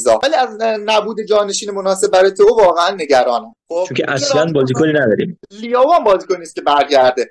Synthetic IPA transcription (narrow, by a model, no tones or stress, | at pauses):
zɒ̰ːvæliːæznæbuːd̪e̞d͡ʒɒːne̞ʃiːnemo̞nɒːse̞b̚bæɾɒjet̪ʰovɒːɣeænːe̞ɟæɾɒːnæmxot͡ʃoŋkcʰeʔæslænbɒːziːkʰoniːnæd̪ɒːɾḭːmlijɒːvuæmbɒːziːkʰonist̪kʲce̞bæɾɟæɾd̪e